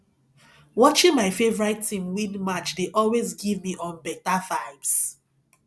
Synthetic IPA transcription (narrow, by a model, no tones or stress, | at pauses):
wɔt͡ʃĩŋmaɪfevɔɹatʰːĩmwĩnmat͡ʃdeʔɔlwezɡivmiʔɔ̃nbɛtafaɪbs